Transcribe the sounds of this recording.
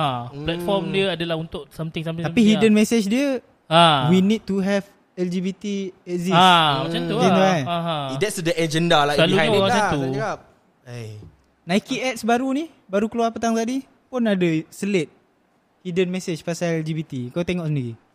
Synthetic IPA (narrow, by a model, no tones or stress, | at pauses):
aplɛt̪fɔrmdiəadalahunt̪ʊʔsamt̪ɪŋs̬amt̪ɪtapihidənmɛsed͡ʒdiə | awinid̚t̪uɦɛv | ɛld͡ʒibit̪iɛt̚ziasmat͡ʃanud͡ʒɛndaaɦãdɛtsdəʔɛd͡ʒɛndalaalumat͡ʃauaap̚ | naikiʔɛt̪̚sbaɾunih | baɾukəluarpət̪̬aŋt̪adi | pʊnadəsəlet̪̚ | hidənmɛset͡ʃpasalɛld͡ʒibit̪ikat̪ɛŋɔʔsəndiɾi